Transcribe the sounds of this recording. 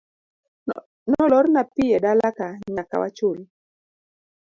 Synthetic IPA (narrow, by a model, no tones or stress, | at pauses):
nɔlɔrnapɪjɛdalakaɲaka̰wa̰t͡ʃʊl